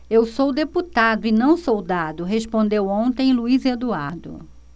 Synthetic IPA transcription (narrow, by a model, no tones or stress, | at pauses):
ewsowd̪eput̪ad̪ʊɪnɐ̃w̃sowd̪ad̪ʊɦespõnd̪ewõnt̪ẽj̃luized̪uaɾd̪ʊ̰